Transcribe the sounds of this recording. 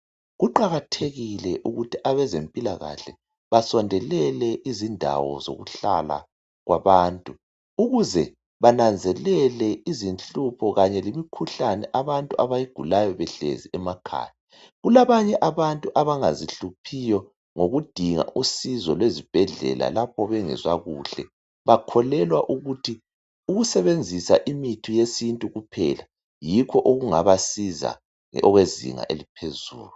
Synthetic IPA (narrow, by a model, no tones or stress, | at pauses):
ɣuǃaɣatʰeɣilɛʔuɣutʰiʔaβɛzempʼilaɣa̰ɬɛ | βasɔndʱɛlɛlɛʔizindʱa̰wɔ̰zo̰ɣṵɬa̰la̰ | ɣwʔaβaːntʼu | uɣuzɛ | βanand͡zʱɛlɛlɛizint͡ɬʼupʰɔɣaɲɛlimikʰuɬanɛʔaβantʼuʔaβajiɡ̥ʱulajɔβɛɬḛziʔɛmakʰa̰ni | ɣulaβaɲɛʔaβantʼuʔaβaŋaziɬupʰijɔ | ŋoɣud̥ʱiŋa̰ʔusizɔlwezib̥ʱɛɮɛ̰la̰lapʰɔβɛŋɛ̰zwaɣuːɬɛ̰ | βakʰɔlɛlwaʔuɣutʰi | uɣusɛβend͡zʱisaʔimitʰijesintʼuɣupʰɛ̰la | jikʰɔʔoɣuŋaβasiza̰ | ɔɣwezḭŋa̰ʔḛlipʰezṵːlu